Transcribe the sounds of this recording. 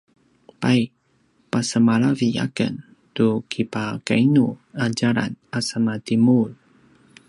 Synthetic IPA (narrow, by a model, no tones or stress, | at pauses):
paj | pasəmaɾavija̰kə̰n | tukʰipaka̰inuad͡ʒaɾa̰nasəmatimul